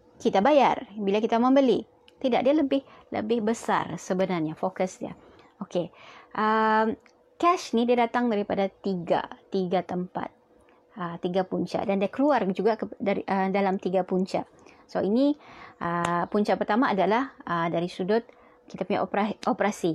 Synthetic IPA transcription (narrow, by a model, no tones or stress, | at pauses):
kit̪abajarbilakit̪amə̃mbəli | t̪idaʔ̚dialəbɪh | lə̰bɪhbəsa̰rsəbənarɲafokəsdia̰ | okeʔəm | kɛʃnidiadat̪aŋdaɾipadat̪iɡa̰iɡat̪əmpa̰t̪̚ | ət̪ːiɡapuɲt͡ʃa̰ʔdandiakəluard͡ʒuɡakədaiʔədalamt̪iɡapuɲt͡ʃa̰ʔ | soiniʔəpuɲt͡ʃaʔpərt̪amaʔːdalahədaɾisudʊt̪̚ | kit̪apuɲa̰ʔpaʔopəɾasi